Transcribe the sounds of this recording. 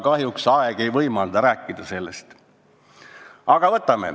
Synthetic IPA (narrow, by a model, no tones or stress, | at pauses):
kɑɦjuksɑeɡ̥e̞jvɤjmɑld̪ɑɾæːkːid̪̥ɑse̞lːḛst̪ | ɑɡ̥ɑvɤt̪ːˑɑme̞̰